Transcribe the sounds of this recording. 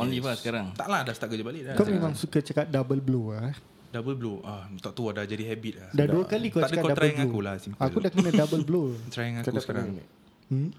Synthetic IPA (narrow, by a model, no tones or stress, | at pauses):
ɔnibasəkaɾaŋt̪aʔladast̪aʔɡəd͡ʒabalɪʔdakamemãŋsukat͡ʃəkat̪̚dabəlbloa | dabəlbloʔat̪ɔʔt̪uadad͡ʒadihɛbit̪̚lahdaduəkalikawakatkdaəlblaokulasiakudahkənə̃kdabəlblot̪ɾaŋakat̪akaɾan̰̩